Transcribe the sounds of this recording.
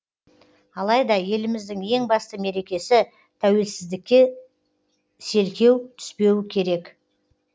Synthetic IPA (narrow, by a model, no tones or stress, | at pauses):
ɑlˠɑjd̪ɑje̞lɪmɪzd̪ɪŋe̞ŋbɑst̪əme̞ɾe̞kʲe̞sɪ | t̪ʰæwe̞lsɪzd̪ɪkʲːe̞ | se̞ɾkʲe̞wt̪ʰʏ̥spe̞wɪkʲʰe̞ɾe̞k